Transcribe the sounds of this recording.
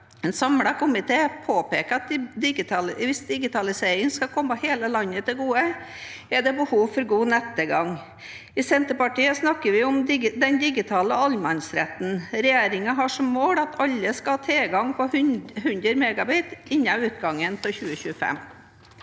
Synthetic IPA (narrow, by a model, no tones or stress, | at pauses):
ɛnsɑmɽɑkʊmɪt̪ʰeːpʰoːpeːkəɑt̪̚d̪ɪɡɪt̪ɑlʋɪsd̪ɪɡɪt̪ʰɑlɪseːɾɪŋskɑkʰɔmːɑheːləlɑnːət̪ʰɪɡuːəɛɖ̪ɛbəhuːʋfɔɾɡuːnɛt̪ːəɡɑŋ | ɪsɛnt̪əpɑʈiːəsnɑkːəɾʋɪʊmd̪ɛnd̪ɪɡɪt̪ʰɑːləɑlmɑnsɾɛt̪n̩ɾɛjeːɾɪŋɑɦɑʂɔmːoːɽɑt̪ʰɑlːəskɑɑt̪ʰeːɡɑŋpɔhʉnd̪ɾəɾmeɡɑbiːt̪ɪnːɑʉːt̪̚ɡɑŋːəntʰɪlçʉːəçʉːəfɛ̰mː